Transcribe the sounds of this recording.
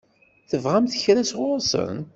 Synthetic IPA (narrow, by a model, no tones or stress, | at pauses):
θəvʁamθəçɾæsʁʊɾsˤə̰n